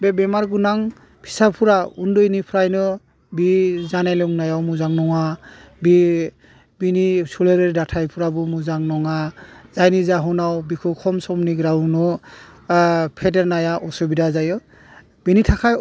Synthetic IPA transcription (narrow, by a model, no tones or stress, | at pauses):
bebɛmaɾɡunaŋ | pʰi̥sapʰuɾaundɔjnipʰɾajnɯ | bizanalɔŋnajawmuzaŋnɔŋabi | binisuleɾeɾdatʰajpʰuɾabɔmuzaŋnɔŋaz̥ajnizaɦɔnawbikʰukʰɔmsɔmniɡɾawnɔ | pʰedeɾnajaʔɔsɔbidazajɔ | b̥initʰakʰaj